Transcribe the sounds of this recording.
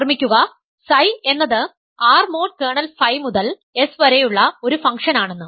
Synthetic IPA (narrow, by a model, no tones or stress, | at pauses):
rmikʲːuɣɐ | sɐje̞nːɐðɨ | aːrmo̞ːʈ̚keːɳɐlfɐjmuðɐl | e̞sʋɐɾejuɭːɐo̞ɾufɐŋkʂɐnaːɳe̞nːɨ